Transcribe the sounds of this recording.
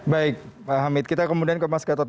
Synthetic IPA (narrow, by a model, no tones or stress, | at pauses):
baɪk̚paɦamɪt̪̚kit̪akəmudiankəmaskat̪ɔt̪̚